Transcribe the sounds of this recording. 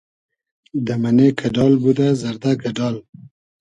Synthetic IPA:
d̪əmanekʰaɖɑlbud̪azaɾd̪akaɖɑl

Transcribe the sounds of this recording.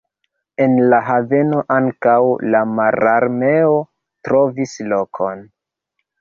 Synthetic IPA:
e̞nlaɦave̞no̞ʔaŋkawlamaɾaɾme̞o | tɾo̞vislo̞kʰo̞n

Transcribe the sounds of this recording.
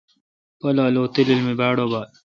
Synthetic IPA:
pɐlaːloːt̪ililmibaːɽobaːl

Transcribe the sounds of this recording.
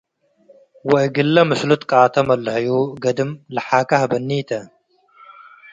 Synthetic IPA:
wɐʔɡɨlːɐmɨslut̪kʼaːt̪ʰɐmɐlːhɐjuːɡɐd̪ɨmlɐħaːkɐhbɐnːiːt̪ʰɐ

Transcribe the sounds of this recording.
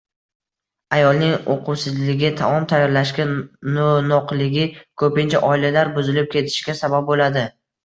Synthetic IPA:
ajɒlˠnɪŋo̰qʰʊwsɪzlɪɡʲɪt̪ʰamɒmt̪ʰajːɒɾlaʃkʲanonɒqlɪɡʲɪkʰɵpɪnt͡ʃʰaʔɒɪlalaɾbʊzɪlɪp̚kʲʰe̞t̪ʰɪ̥ʃɡʲasabap̚bolad̪ɪ

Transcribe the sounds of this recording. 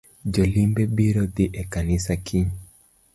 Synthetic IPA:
d͡ʒolimbebiɾod̪iʔekanɪsakʰi

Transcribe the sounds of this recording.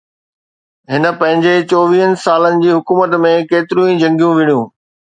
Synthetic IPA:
ɦɪnə̆pɐ̃ɦɪ̃ɲd͡ʑet͡ɕoːʋiːɦənɪ̆saːlənɪ̆d͡ʑiːɦʊkuːmət̪mẽkeːt̪ɪɾũːĩd͡ʑɐ̃ŋɡijũʋɪɳijũː

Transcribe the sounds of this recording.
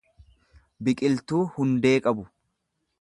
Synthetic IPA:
bɪkʼɪlt̪uːhʊnd̪e̞ːkʼɐbʊ

